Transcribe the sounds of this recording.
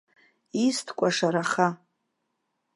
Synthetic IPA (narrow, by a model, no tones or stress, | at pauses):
istʰkʷʼaʂaɾaχa